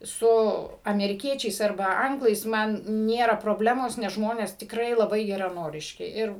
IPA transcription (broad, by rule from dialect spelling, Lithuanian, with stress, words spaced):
ˈsʊ ɐmʲɛrʲɪˈkʲiɛt͡ʃʲɛɪs ɐrˈbɐ ˈɐŋɡlˠɐɪs ˈmɐn ˈnʲeːrɐ proːˈbʲlʲæːmoːs nʲɛs ˈʒmoːnʲɛs tʲɪkˈrɐɪ lˠɐˈbɐɪ ɡʲɛrɐˈnoːrʲɪʃʲkʲɪ ˈɪr